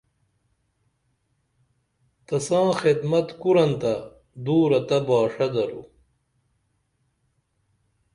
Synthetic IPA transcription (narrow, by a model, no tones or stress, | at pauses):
t̪ɐsãːxed̪mɐt̪kuɾɐnt̪ɐ | d̪uːɾɐt̪ɐbaːʂɐd̪ɐɾṵ